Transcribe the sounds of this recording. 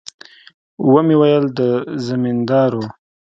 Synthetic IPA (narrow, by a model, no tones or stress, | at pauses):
wəmewajəld̪əzamind̪ɑɾo